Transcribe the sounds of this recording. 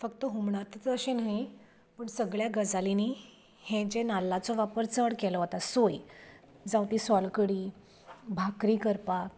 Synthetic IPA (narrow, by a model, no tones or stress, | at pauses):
fəkt̪əɦumɳat̪əɕenaɦi | pəɳsəɡɭjaɡəd͡zaliniː | hẽd͡ʑenalːat͡sɔʋapəɾt͡səɽkɛlɔɦot̪asoj | d͡zawt̪iːsɔlkəɽiː | bʱakɾiːkəɾpak